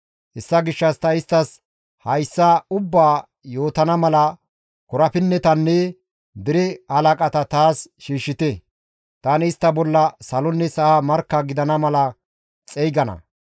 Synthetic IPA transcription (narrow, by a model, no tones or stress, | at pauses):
ɛsːɐɡɪʃːɐst̪ɐɪst̪ːɐs | hɐjsːaʊbːaː | jo̞ːt̪ɐnɐmɐlɐ | kʊɾɐpɪnːɛt̪ɐnːɛ | d̪ɪɾɛhɐlɐkʼɐt̪ɐt̪aːsʃiːʃːɪt̪ɛ | t̪aːnɪɪst̪ːɐbɔlːɐsɐlɔnːɛsɐhamɐɾkːɐɡɪd̪ɐnɐmɐlɐ | t͡sʼɛjɡɐnɐ̰